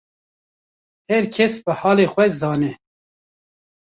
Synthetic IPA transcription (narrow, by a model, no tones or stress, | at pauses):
hɛɾkʰɛsbɨhɑːleːxʷɛzɑːnɛ